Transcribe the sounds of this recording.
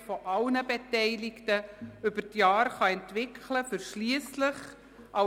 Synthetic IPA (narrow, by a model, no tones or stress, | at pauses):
fɔʔɑlnəbetɛɪlɪktəʏb̥ətjɑːɾχɑɛntʋɪkʰləfʏɾʃliəsləχ | ʔɑ